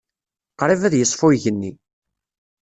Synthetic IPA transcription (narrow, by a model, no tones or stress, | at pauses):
qɾˤivæðjəsˤːfʊʝənːi